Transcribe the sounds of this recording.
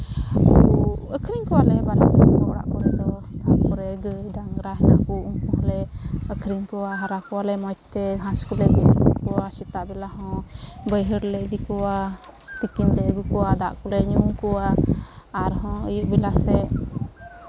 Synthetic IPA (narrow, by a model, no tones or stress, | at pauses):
kuəkʰɾiɲkuwalɛbalaakɔɔɽa̰ʔkɔɾɛd̪ɔd̪aʔkɔɾɛɡədaŋɾaɦna̰ʔkuuŋkuɦalɛəkʰɾiɲkuaɦaɾakuwalɛmɔjt̪ɛɦãskulɛɡɛɡukuasit̪aʔbilaɦɔ̃bəjɦəɾlɛd̪ikɔwat̪ikind̪ɛɡukuwad̪a̰ʔkuɾɛɲuŋkuwaː | ɾɦɔ̃əjuʔbilasɛ